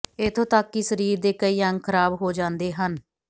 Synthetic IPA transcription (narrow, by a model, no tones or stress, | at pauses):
ɪt̪ʰõːt̪əkːisəɾiːɾd̪eːkəiːəŋɡkʰəɾaːbɦoːd͡ʒãːnd̪eːɦən